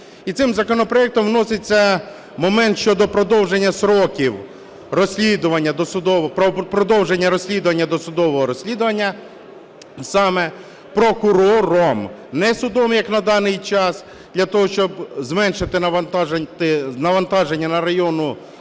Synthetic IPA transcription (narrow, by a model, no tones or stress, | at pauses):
it̪ɪmzɐkɔnɔpɾɔjɛk̚t̪ɔmwnɔsɪt͡sʲːɐ | mɔmɛnt̪ʃt͡ʃɔd̪ɔpɾɔd̪ɔwʒenʲːɐsɾɔkʲiw | rɔsʲlʲid̪ʊʋɐnʲːɐd̪ɔsʊd̪ɔʋppɾɔd̪ɔwʒenʲːɐɾɔsʲlʲid̪ʊʋɐnʲːɐd̪ɔsʊd̪ɔʋɔɦɔɾɔsʲlʲid̪ʊʋɐnʲːɐ | sɑmɛ | pɾɔkʊɾɔɾɔmnɛsʊd̪ɔmjɐknɐd̪ɑnɪjt͡ʃɑs | d̪̥lʲɐt̪ɔɦɔʃt͡ʃɔbzmɛnʃɪt̪ɪnɐʋɐnt̪t̪ɪnɐʋɐnt̪ɑʒenʲːɐnɐɾɐjɔnʊ